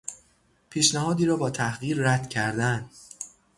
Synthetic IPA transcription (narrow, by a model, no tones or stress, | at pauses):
pʰiːʃnæhɒːd̪iːɾɒːbɒːt̪ʰæhɣiːɾːæd̪̥cʰæɾd̪ænd̪